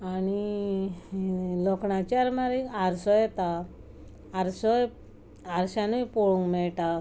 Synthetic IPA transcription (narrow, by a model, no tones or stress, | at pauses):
añi | lɔkɳat͡ɕaɾmaɾikaɾsɔjɛt̪aː | ɾsɔj | aɾɕanupoɭũŋkmɛɭʈa